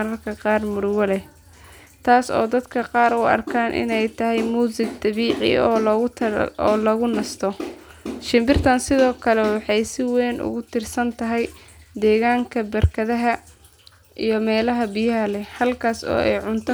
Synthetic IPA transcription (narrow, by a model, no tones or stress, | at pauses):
ɾɐrkʰɐqɑːrmʊɾwɐlɛ | t̪ʰaːsɔ̰ːd̪ɐd̪kʰɐqɑːɾʊɐ̰rkʰaːnʔɪ̰nɛjt̪ʰɐɦɛjmuːsɪɡ̚d̪ɐβiːʕɪ̰ɔːlɣʊɔːlɐɣʊnɐst̪ʰɔ | ʃɪmbɪrt̪ʰɐnsɪðɔːkʰɐlɛwɑħɑjsɪwɛːnʔʊ̰ɣʊt̪ʰɪrsɐnt̪ʰɐɦɛjd̪ɛːɣaːŋkʰɐbɐrkʰɐðɐɦɐ | ʔijɞmɛːlɐɦɐbɪjɐɦɐlɛhɐlkʰaːsɔ̰ːɛ̰jʕʊnt̪ʰ